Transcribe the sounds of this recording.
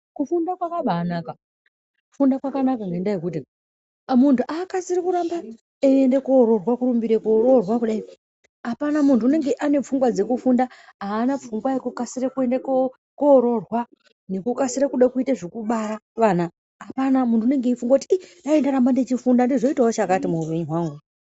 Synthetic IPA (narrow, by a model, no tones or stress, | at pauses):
kufundakwakaɓaːnaːka | kufundakwakanakaŋɡendajekuːti | muntʰuʔaːkasiɾikuɾamba | eendekoːɾo̞rwakuɾumbiɾekoɾo̞rwakuɗai | apanamuntʰuːne̞ŋɡe̞ʔane̞p͡fuŋɡwad͡ze̞kufundaɦaːnap͡fuŋɡwajekukasiɾekuendek | koːɾo̞rwa | nekukasiɾekuɗakuitaʐekuɓaɾaʋaːna | apanamuntune̞ŋɡeifuŋɡakutiinaendaɾambandet͡ʃifundandizo̞itaɦot͡ʃakatimuupe̞ɲuɦwaːŋɡu